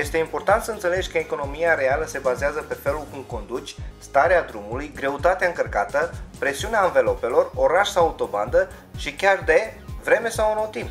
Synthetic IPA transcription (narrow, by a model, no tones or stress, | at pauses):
je̞st̪eimpo̞rt̪ant̪səɨnt̪se̞le̞d͡ʒʲkəeko̞no̞miaɾe̞aləse̞bazeazəpe̞fe̞lulkumko̞nd̪ut͡ʃʲst̪aɾead̪ɾumulujɡɾe̞ut̪at̪eaɨŋkərkat̪əpɾe̞siuneaɨnve̞lo̞pe̞lo̞ro̞ɾaʃsawaut̪o̞ba̰nd̪ə | ʃikʲard̪e̞vɾe̞me̞sawunowt̪imp